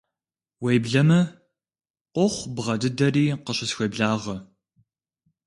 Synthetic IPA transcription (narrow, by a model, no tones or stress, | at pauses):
wejbɮɐmɐ | qʷɔχʷbʁɐdɨdɐriːqəɕɪsxʷejbɮaːʁɐ